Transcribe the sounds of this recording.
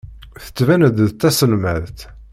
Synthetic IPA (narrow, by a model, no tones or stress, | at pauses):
θə̥t͡sːvænəd̪ðt̪ːæsəlmæðt̪